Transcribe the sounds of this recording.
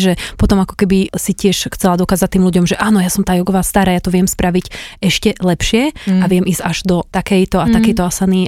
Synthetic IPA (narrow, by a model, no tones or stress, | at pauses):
ʒɛpɔt̪ɔmakɔ̥kɛbisicɪɛʃxt͡sɛlad̪ɔkaːzac̚t̪ːiːmluɟɔmʒɛʔaːnɔjaːsɔmt̪aːjɔɡɔʋaːst̪aɾaːjat̪ɔʋɪɛmspɾaʋicɛʃcɛlɛpʃɪɛaʋɪɛmiːzcaʒd̪ɔt̪akɛjt̪ɔat̪akɛjt̪ɔasaniː